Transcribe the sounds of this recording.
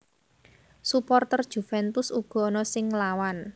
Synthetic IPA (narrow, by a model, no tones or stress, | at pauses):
supɔrt̪ərd̥ʒ̥ṳfɛnpʊsuɡ̥ɔ̤ɔnɔsɪŋlawan